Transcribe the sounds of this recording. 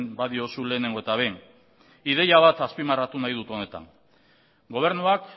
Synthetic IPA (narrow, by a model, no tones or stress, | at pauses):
nbaðio̞sule̞ːne̞ŋɡoe̞t̪aβ̞e | ið̞e̞jaβ̞at̪aspimarat̪unajð̞ut̪o̞ne̞t̪a̰ŋ | ɡo̞β̞e̞ɾnuak